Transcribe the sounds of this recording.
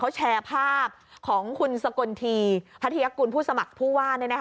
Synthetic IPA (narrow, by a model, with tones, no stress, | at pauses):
a˦˥wt͡ɕʰɛː˧pʰaː˥˩p̚kʰɔː˩˦ŋkʰu˧nsa˧ko˧nt̪ʰiː˧pʰa˦˥t̪ʰi˧ja˦˥kuː˧npʰuː˥˩sa˧ma˨˩k̚pʰuː˥˩waː˥˩nɯ˥˩jna˦˥k